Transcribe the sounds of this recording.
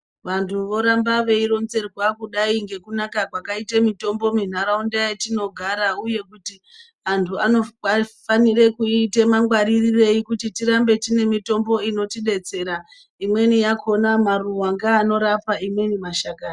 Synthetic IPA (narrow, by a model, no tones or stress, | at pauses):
ʋantʰuʋo̞ɾambaʋe̞iɾo̞nze̞rwakuɗaiŋɡe̞kunakakwakaitemito̞mbo̞min̤aɾaundaetino̞ɡʱaɾauje̞kuti | antʰuanoafanire̞kuite̞maŋɡwaɾirire̞ikutitiɾambe̞tine̞mito̞mbo̞ino̞tiɗe̞t͡se̞ɾa | imwe̞nijakʰo̞namaruwaŋɡaːno̞ɾapaimwe̞nimaʃakaːna